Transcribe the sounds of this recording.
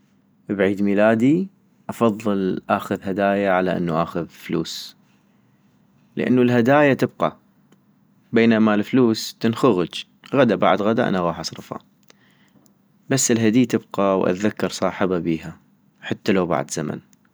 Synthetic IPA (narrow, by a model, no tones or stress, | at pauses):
bʕiːd̪miːlaːd̪i | ʔɑfɑðˤːɨlʔaːxʊðhad̪aːjaʕalaʔɪ̰nːuʔaːxʊðflṵːs | ləʔa̰nːulɦad̪aːjat̪ɪb̚qa̰ | beːnamalfluːst̪ɪnxʊɣʊd͡ʒ | ɣad̪abaʕd̪ɣad̪aʔa̰naɣɑːħʔɑsˤɾˤɨfa̰ | basːɪlɦad̪iːt̪ɪbqawʔa̰t̪ðakːɑɾˤsˤɑːħəbabiːɦa | ħat̪ːalawba̰ʕd̪z̥ama̰n